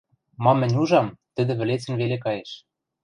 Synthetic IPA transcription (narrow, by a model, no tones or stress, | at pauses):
mɑmːɘ̆nʲuʒɑmt̪ɘ̆d̪ɘ̆βɘ̆let͡sɘ̆nβelekɑjeʃ